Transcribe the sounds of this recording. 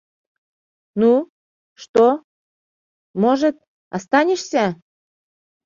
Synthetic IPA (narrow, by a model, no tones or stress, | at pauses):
nu | ʃt̪o | moʒə̆t̪̚ | ɑst̪ɑnʲeʃsʲæ